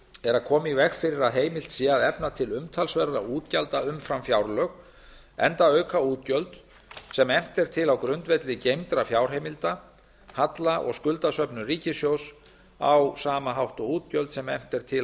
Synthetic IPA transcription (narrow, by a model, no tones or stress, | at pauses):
ɛɾaðkʰɔːmɪivɛxfɪɾɪɾaðɦeːjmɪl̥t̪siaðɛpnat̪ʰɪlʏmt̪ʰalsvɛɾða̰uːt̪calt̪aʏmfɾamfjawɾlœɣ | ɛ̰nt̪aœːɥkʰauːt̪̚cœlt̪ | sɛmɛm̥t̪ɛɾ̥t̪ʰɪlawkɾʏnt̪vɛt̪lɪcejmt̪ɾafjawɾ̥ɦejmɪlt̪a | hat̪laʔɔ̰ɣskʏlt̪asœpnʏriːcɪsjows | a̰wsaːmaɦawht̪ɔuːt̪cœlt̪sɛmɛ̰m̥t̪ɛɾ̥t̪ʰɪl